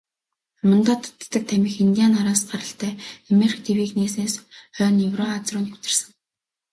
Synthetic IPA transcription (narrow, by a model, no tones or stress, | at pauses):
amə̆nt̪ɔːt̪ʰt̪ːə̆k̚t̪ʰæmʲɪ̆xint̪ʲijaːnaɾaːsɢaɾə̆ɬt̪ʰæːamerxt̪ʰewiːkneːsneːsœːnewrɔːat͡srʊːnt̪ɡu̥t̪ɪ̆rsə̆ŋ